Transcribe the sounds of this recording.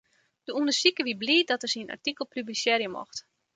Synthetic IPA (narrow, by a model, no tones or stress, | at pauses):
d̥əuəndəsikəʋibliːədɔtərsina̰rtikəlˠpyblisjɛːrjəmɔ̰xt